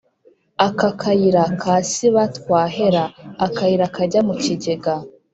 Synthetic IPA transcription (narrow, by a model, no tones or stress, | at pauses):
akakʰajiɾakʰasiβatwaːɦeɾaːkajiɾakaɟamuciɟeɡa